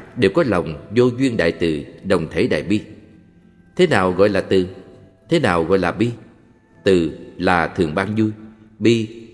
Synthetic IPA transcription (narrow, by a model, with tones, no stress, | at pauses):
ɗe˨˩wkɔ˨˦lə˨˩wŋ͡mzo˧zwi˧ənɗa̰ː˧˨jt̪ɨ̰˨˩ɗə˨˩wŋ͡mt̪ʰe˧˦ɗa̰ː˧˨jɓi˧ | t̪ʰe˨˦naː˨˩wɣɔ̰˧˨jlaː˨˩t̪ɨ˨˩ | t̪ʰe˨˦naː˨˩wɣɔ̰˧˨jlaː˨˩ɓi˧ | t̪ɨ˨˩laː˨˩t̪ʰɨ˨˩əŋɓaː˧nzu˧jɓi˧